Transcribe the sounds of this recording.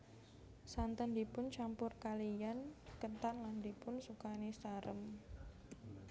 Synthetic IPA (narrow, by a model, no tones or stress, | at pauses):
sant̪əndipʊnt͡ʃampʊrkalijankənt̪anland̪ipʊnsukanesaɾə̰m